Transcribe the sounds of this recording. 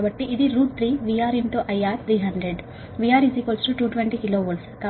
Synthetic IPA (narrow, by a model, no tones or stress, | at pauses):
bɐʈːiʔid̪iɾuːʈ̚t̪ʰɾiːʋiaːɾinʈ̪oːʔɐjːaːɾt̪ʰɾiːɦɐɳɖɾeɖ | ʋijaːɾisikolsʈuʈuːʈʋeɳʈiːkiloːʋolska